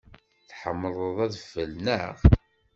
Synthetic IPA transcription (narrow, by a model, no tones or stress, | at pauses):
θħəmːəlˤəðˤæðfəlnəʁ